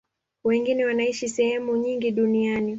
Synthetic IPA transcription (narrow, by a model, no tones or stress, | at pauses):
wɛŋɡinɛwanaiʃisɛhɛmuɲiŋɡiɗuniani